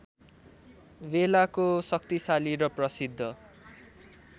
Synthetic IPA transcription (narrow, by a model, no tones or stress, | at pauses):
belakosʌk̚t̪isaliɾʌprʌsid̪ʱːʌ